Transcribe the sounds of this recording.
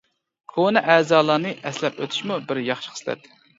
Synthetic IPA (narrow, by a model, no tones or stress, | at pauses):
kʰonɨʔæːzɑːlˠɑnɨʔɛslɛpøt̪ʰy̥ʃmubɪɾjɑχʃɪ̥χʰə̥slɛ̰t̪ɪ